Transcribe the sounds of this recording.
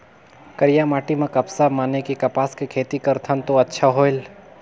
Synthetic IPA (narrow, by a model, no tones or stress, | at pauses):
kɐɾɪjamaːʈimẽkɐpsamaːnekikɐpaːskekʰeːt̪ikɐɾt̪ʰənt̪oɐtːʃʰaɦoːɪl